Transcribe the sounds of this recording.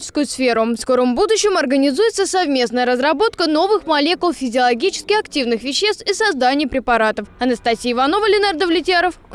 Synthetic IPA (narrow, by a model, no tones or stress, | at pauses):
t͡ɕɪ̥skʊjʊsfʲe̞ɾʊfsko̞ɾəmbud̪ʊɕːɪmɐrɡənʲɪzujɪt̪səsɐvmʲe̞snəjəɾəzɾɐbo̞t̪kəno̞vɨxmɐlʲe̞kʊlˠfʲɪzʲɪɐlˠɐɡʲit͡ɕɪ̥skʲɪxɐktʲivnɨxvʲɪɕːe̞st̪isɐzd̪anʲɪjəpɾʲɪpɐɾat̪əfɐnəst̪ɐsʲiːvɐno̞vəlʲɪnard̪əvlʲɪtʲɪaɾəf